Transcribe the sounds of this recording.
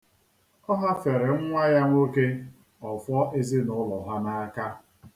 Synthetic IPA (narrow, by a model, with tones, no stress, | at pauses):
ɔ˦ɦa˦fe˨ɾe˨ŋ̩˦ŋʷa˦ja˦ŋʷo˦ke˦ | ɔ˨fɔ˦ʔe˦zi˦nʊ˦lɔ˨ɦa˦na˦ka˦